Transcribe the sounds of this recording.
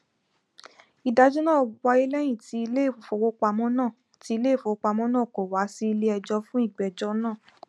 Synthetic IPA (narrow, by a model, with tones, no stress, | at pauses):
i˨da˧d͡ʒũ˦nãː˦˨wa˧i˦lɛ˦j̃ĩ˦˨ti˧˦i˧le˦˨fo˧˨wo˧k͡pa˧mɔ̃˦nãː˦˨ | ti˧˦i˧le˦˨fo˨˧wo˦k͡pa˧mɔ̃˦nã˦˨ko˨wa˨˦si˦i˧le˦ɛ˧d͡ʒɔ˧fũ˦i˦˨ɡ͡bɛ˨d͡ʒɔ˧˦nãː˦˨